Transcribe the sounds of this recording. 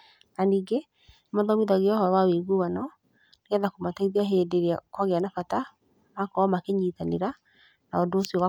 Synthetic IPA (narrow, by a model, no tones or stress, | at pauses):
naniːɡe | mɔðɔmiðaɣeɔhɔwaweɣuwanɔ | neaðakomataiðiaɦedeɾeakwaɣeanafata | makɔmakeɲitaneɾa | naɔdoːsiɔwa